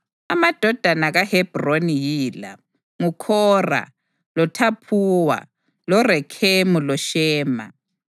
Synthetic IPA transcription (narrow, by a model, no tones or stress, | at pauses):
amad̥ʱɔd̥ʱanaɣahɛb̥ronijiːla̰ | ŋukʰɔːra̰ | lɔtʰapʰuːwa̰ | lɔrɛkʰemulɔʃɛːma̰